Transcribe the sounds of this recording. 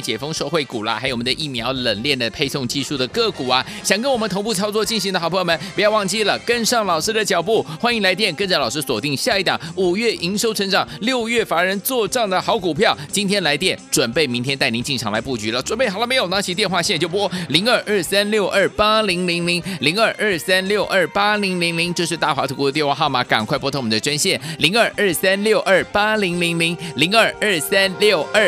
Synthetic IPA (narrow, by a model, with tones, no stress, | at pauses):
t͡ɕjɛ˨˩fɤ˥ŋʂo˥˧xwe˥˩ɪku˨˩lə̰˦xa˧˥ɪjo˨˩wɔ˩m˧˦d̪ə˧ʔi˥˩mjɑ˧˥ʊlə˨˩nljɛ˥˩nd̪ə˩pʰe˥˧ɪsʊ˥˧ŋt͡ɕi˥˧ʂu˥˩d̪ə˩kɤ˥˩ku˨˩ɐ˦ɕjɑ˨˩ŋkə˥nwɔ˨˩mə˦t̪ʰo˧˥ŋp̬u˥˩t͡sʰɑ˥ʊt͡swɔ˥˧t͡ɕi˥˩nɕi˧˥ŋd̪ə˧xpʰjmə˦npu˧˥jɑ˥˧ʊwɑ˥˧ŋt͡ɕi˥˩lə˩kə˥nʂɑ˥˩ŋlɑ˨ʊʂɻ̩˥d̪ə˨t͡ɕjɑ˨˩ʊpu˥˩xwa˥ni˧˥ŋla˧˥ɪt̪̬jɛ˥˩nkə˥nt͡sa˥˩lɑ˨˩ʂɻ̩˥swɔ˨˩t̪i˥˧ŋɕja˥˧i˥˩t̪ɑ̰˨˩˦ŋu˨˩ɥɛ˥˩ʔi˧˥ŋʂjo˥ʊʈ͡ʂʰə˧˥nʈ͡ʂɑ˨˩˦ŋljo˥˧ʊɥɛ˥˩fa˧˥ɻə˧˥nt͡swɔ˥˧ʈ͡ʂɑ˥˩ŋd̪ə˨˩xɑ˧˥ʊku˨˩pʰjɑ˥˩ʊt͡ɕi˥nt̪ʰjɛ˥nla˧˥ɪt̪jɛ˥˩nʈ͡ʂwə˨˩npe˥˩ɪmi˧˥ŋt̪ʰjɛ˥nt̪a˥˩ɪni˧˥t͡ɕi˥˩ŋʈ͡ʂʰɑ˧˥ŋla̰˧˥ɪpu˥˩t͡ɕy˧˥lə˨ʈ͡ʂwə˨˩npe˥˩ɪxlə˥me˧˥ɪjo˨˩na˧˥t͡ɕʰi˧˥t̪̬jɛ˥˧nxwa˥˧ɕɛ˥˧˨t͡ɕo˥˩ʊpu˥wɔ˥˩li˧˥ŋə˞˥˧ʔə˞˥˩sa˥nljo˥˧ʊʔə˞˥˩pa˥li˧˥ŋli˧˥ŋli˧˥ŋli˧˥ŋə˞˥˧ʔə˞˥˩sa˥nljo˥˧ʊʔə˞˥˩pa˥li˧˥ŋli˧˥ŋli˧˥ŋt͡ɕjo˥˧ʊʂɻ̩˥˧t̪a˥˩xwa̰˧˥t̪ʰku˧˥˧jɛ˥˧nwa˥˧˥xɑ˥˩ʊma˨˥ka̰˨˩nkʰwa˥˧ɪp̬wɔ˥˧t̪ʰo˥ŋmu˨˩d̪ə˧ʈ͡ʂa˥nɕjɛ˥˩nli˧˥ŋə˞˥˩ʔə˞˥˩sa˥nljo˥˧ʊʔə˥˩pa˥li˧˥ŋli˧˥ŋli˧˥ŋli˧˥ŋə˞˥˩ə˥˩sa˥nljo˥˨˧ʊə˥˩